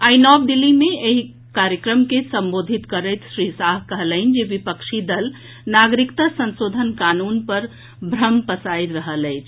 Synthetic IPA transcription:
ajnɔb̚ɖ̪ilːimeeɦi | kaɾjəkɾəmkesəmbod̪ʱit̪kəɾəjt̪ʃɾisaɦkəɦələɪnd͡ʒebipəkʃʰid̪əl | naɡɾikt̪asə̃nsod̪ʱənkanunpəɾ | bʱɾəmpəsajt̪ɾəɦələɪt͡ʃʰ

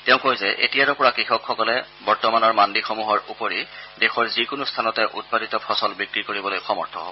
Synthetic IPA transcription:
tɛʊ̃kojzɛʔḛtijaɾɔpɔɹakixɔkxɔkɔlɛbɔɹtɔmanɔɹmandixomuɦɔɹupoɹidexɔɹzikʊnustʰanɔtɛʔṵt̚paditɔpʰɔsɔlbikɹikoɹibɔlojxɔmɔ̰ɹtʰɔ̰ɦobɔ

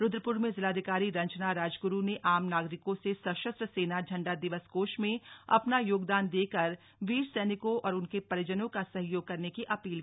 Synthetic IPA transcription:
ɾʊd̪ɾəpʊɾmẽzɪlaːd̪ʱɪkaːɾiɾɐ̃ɲt͡ʃnaɾaːd͡ʒɡʊɾuneʔaːmnaːɡɾɪkõsesɐʃəst̪ɾəseːnad͡ʒʱɐ̃ɳɖad̪ɪʋəskoːʃmẽɐ̰pnajoːɡd̪aːnd̪eːkəɾ | ʋiːɾsɛːnɪkõʔɔːɾʊnkepɐɾəd͡ʒənõkasɐɦjoːɡ̚kɐɾnekiʔɐpiːlkː

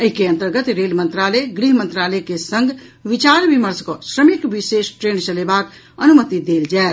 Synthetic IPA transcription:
əɦikeə̃nt̪əɾɡət̪ɾelmənt̪ɾaleɡɾiɦmənt̪ɾaləkesə̃ŋɡʱʋit͡ʃaɾbiməɾskɔsɾəmikʋisesʈɾent͡ʃəlebak | ənumət̪id̪eld͡ʒaet̪

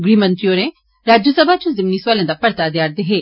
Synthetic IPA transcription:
ɡɾimɐ̃nt̪ɾioːɾẽ | ɾaːd͡ʒosɐbʱaːt͡ʃũzɪmniswaːlẽd̪apɐɾt̪ad̪jaːɾd̪eɦeː

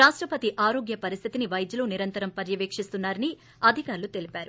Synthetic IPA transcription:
ɾaːʂʈɾɐpɐt̪iʔaːɾo̞ːɡjɐpɐɾist̪ʰit̪iniʋɐjd̪juluːniɾɐnt̪ɐɾɐmpɐɾjɐʋeːkʂist̪unːaːɾɐni | ɐd̪ʱikaːɾɐlut̪e̞lipaːɾu

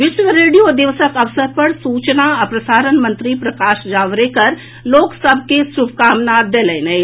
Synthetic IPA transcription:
ʋɪʃʋəɾeːɖijod̪ɪʋsəkɐʋsəɾ̚pɐɾsuːt͡ʃnaɐpɾɐsaːɾənmɐ̃nt̪ɾipɾɐkaːʃd͡ʒaːʋɾekɐɾ | loːksɐb̚kesʊbkaːmnaːd̪̚ːeːlɛːnɐe

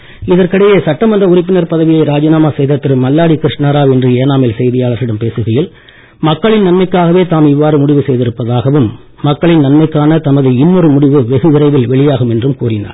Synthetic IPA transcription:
ɪðɐrkɐɽɐjeːsɐʈːɐmɐndrɐʊrɪpːɪnɐɾpɐðɐʋɪjɐɪɾaːd͡ʒɐnaːmaːsɛjðɐt̪ːɪɾɯmːɐlːaːɽikɪɾɪʂnɐɾaːʋɛndrɯeːnaːmɪlsɛjðɪjaːɭɐɾɪɽɐmpeːsɯɣɐjɪl | mɐkːɐɭɪnnɐnmɐɪkːaːɣɐʋeːt̪aːmɪʋːaːɾɯmʊɽɪʋɯsɛjðɪɾɯpːɐðaːɣɐʋɯmː | ɐkːɐɭɪnnɐnmɐɪkːaːnɐt̪ɐmɐðɯɪnːɔɾɯmʊɽɪʋɯʋɛɣɯʋɪɾɐɪʋɪlʋɛɭɪjaːɣɯmɛndrɯmkuːrɪna̰ːɾ

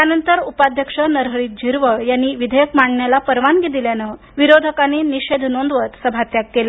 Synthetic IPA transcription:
janənt̪əɾupad̪ʱjəkʂənəɾɦəɭiːt̪̚d͡ʑʱiɾʋəjanːiːʋid̪ʱəjəkmaɳɳjalapəɾʋanɡid̪iljanə | ʋiɾod̪ʱəkaneniɕed̪ʱnond̪ʋət̪səbʱat̪jakːela

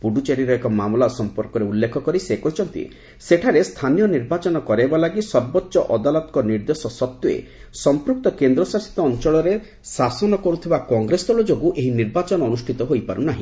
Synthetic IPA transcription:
puɖut͡ʃeɾiɾɔekɔmamlasɔmpɔɾkɔɾeulːekʰɔkɔɾisekɔɦit͡ʃʰɔnt̪ḭ | seʈʰaɾest̪ʰanijɔniɾbat͡ʃɔnɔkɔɾebalaɡisɔɾbɔtːʃɔʔɔd̪alɔt̪ɔkɔniɾd̪esɔsɔt̪juḛsɔmpɾuk̚t̪ɔkend̪ɾɔsasi̥t̪ɔːnt͡ʃɔɭɔɾe | sasɔnɔkɔɾut̪ʰibakɔŋɡɾesɔlɔd͡ʒoɡuʔeɦiniɾbat͡ʃɔnɔːnusʈʰit̪ɔɦojpaɾunaɦĩ

